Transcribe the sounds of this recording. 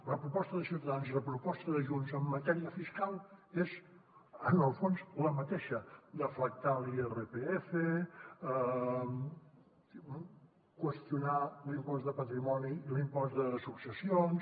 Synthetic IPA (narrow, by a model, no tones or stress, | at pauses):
ləpɾupɔst̪əðəsiwt̪əðanziðəpɾupɔst̪əðəʒunzəmːət̪ɛɾiəfiskalˠez | ənəlˠfonsləmət̪eʃəd̪əflək̚t̪alierəpeefə | kwəst̪junalimpɔzðəpət̪ɾimɔniːlimpɔzðəsuksəsions